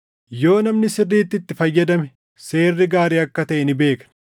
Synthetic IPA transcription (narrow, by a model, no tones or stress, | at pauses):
jo̞ːnɐmnɪsɪrːiːt̪ːɪt̪ːɪfɐjːɐd̪ɐmɛ | se̞ːrːɪɡaːɾiːɐkːɐt̪ɐʔɛnɪbe̞ːkɐ̥